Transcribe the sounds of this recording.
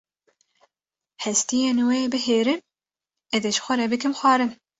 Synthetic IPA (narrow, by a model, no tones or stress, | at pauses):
hɛst̪ijeːnweːbɨheːɾɨm | ɛðeʒ̥xʷɛɾɛbɨkɨmxʷɑːɾɨn